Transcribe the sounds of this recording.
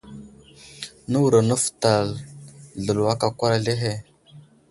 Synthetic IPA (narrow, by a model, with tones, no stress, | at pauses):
nə˦wu˨ɾa˨nə˦fta˨lɮə˨lwa˦ka˨kʷa˦ɾa˨ɮe˦ɦe˦